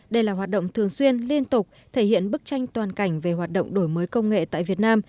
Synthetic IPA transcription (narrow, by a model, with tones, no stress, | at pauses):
ɗə˧jlaː˨˩ɦwaː˨˩t̚ɗə̰˧˨ŋ͡mt̪ʰɨ˨˩əŋswi˧ənli˧ənt̪ʊ˨˩k͡p̚ | t̪ʰe˧˩hḭ˧˨ənɓɨ˦˥k̚t͡ɕa˧jŋ̟t̪waː˨˩nka˧˩jŋ̟ve˨˩ɦwaː˨˩t̚ɗə̰˧˨wŋ͡mɗo˧˩jməː˨˦jkə˧wŋ͡mŋḛ˧˨t̪a̰ː˧˨jvi˨˩ət̚naː˧m